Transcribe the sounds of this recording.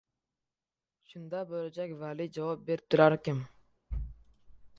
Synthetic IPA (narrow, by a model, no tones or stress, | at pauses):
ʃʊnd̪ɑbølad͡ʒakʲvalid͡ʒɑvɑp̚beɾp̚t̪ʰʊɾaɾkʲɪm